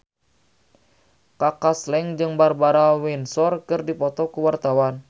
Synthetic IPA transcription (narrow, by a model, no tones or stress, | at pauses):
kakaslɛŋd͡ʒɨŋbarbaɾawinsɔrkɨrdipɔt̪ɔkuwart̪awan